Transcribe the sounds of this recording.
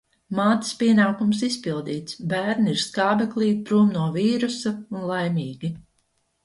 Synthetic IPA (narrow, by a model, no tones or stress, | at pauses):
maːt̪i̥spʲiɛnaːkums̬ispilˠd̪iːt̪sbæːɾniiɾskaːbɛklˠiːpɾuːmnuɔviːɾusaunlˠajmʲiːɡʲi